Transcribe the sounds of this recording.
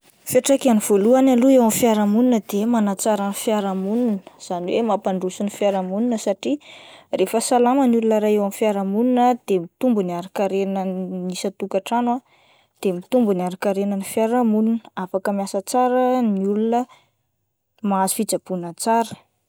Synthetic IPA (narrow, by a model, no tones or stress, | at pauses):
feʈ͡ʂakaniv̥oluanaluewamifjaɾamuninəd̪emanat͡saɾanfjaɾamununə̥z̥aniwemapaɳɖ͡ʐusunifjaɾamuninəsaʈ͡ʂirefəsalamənulunəɾaewamifjaɾamuninəd̪̥emit̪umbuniaɾakaɾenəmisət̪ukaʈ͡ʂanwa | d̪̥emit̪umbuniaɾakaɾenənifaɾamuninafakəmiasət͡saɾəniulunə | maazifit͡sab̥unat͡saɾə̥